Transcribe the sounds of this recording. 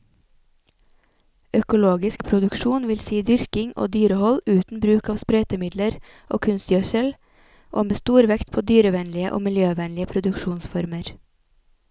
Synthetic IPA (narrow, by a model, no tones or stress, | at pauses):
œkʊloːɡɪskpʰɾʊd̪ʉkʃuːnʋɪlsiːd̪ʏɾkɪŋʔo̰ːd̪yːɾəhɔlʉːt̪n̩bɾʉːkɑːʋspɾœʏt̪əmɪd̪ləɾ | ʔo̰ːkʰʉnst̪jœsəl | ʔoːmeːst̪uːɾʋɛkt̪pʰoːd̪yːɾəʋɛnlɪəʔo̰ːmɪljøːʋɛnlɪəpʰɾʊd̪ʉkʃuːnsfɔɾməɾ